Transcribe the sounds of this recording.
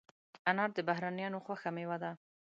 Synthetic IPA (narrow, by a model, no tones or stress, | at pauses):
anɑɾd̪əbaɦɾanijɑnoxwaxamewad̪a